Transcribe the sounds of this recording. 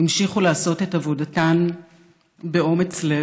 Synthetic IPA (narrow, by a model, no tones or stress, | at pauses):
imʃiχulaːso̞te̞tavo̞datan | be̞o̞me̞t͡sle